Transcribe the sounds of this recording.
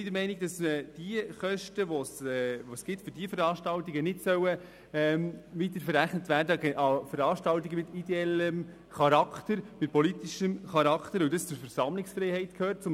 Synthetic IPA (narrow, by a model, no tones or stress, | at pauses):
idəɾmɛɪnɪɡ̚d̥ɑsɛd̥iəχœʃtəʋɔsɛʋɔsɡ̥ɪtfʏɾdiəfəɾɑːʃtɑltiɡənɪdsœwə | ɛmʋitəɾfəɾæχnətvæːɾdəɡɛʔɑfəɾɑːʃtɑltiɡəmɪt̪idɛɛləm | χɑɾɑktəɾmɪt̚pɔlitiʃəmχɑɾɑkχt̪əɾʊwdɑst͡sʊɾfəɾsɑmlɪksfɾɛɪhɛɪtkʰhøːrt̚t͡sʊm